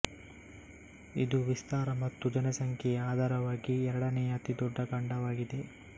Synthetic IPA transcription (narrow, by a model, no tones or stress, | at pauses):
id̪uʋist̪aːɾɐmɐt̪ːud͡ʒɐnɐsɐŋkʰɛaːd̪ʱaːɾɐʋaːɡiɛɾɐɽɐnɛjɐt̪id̪ɔɖːɐɡɐɳɖɐʋaːɡid̪e̞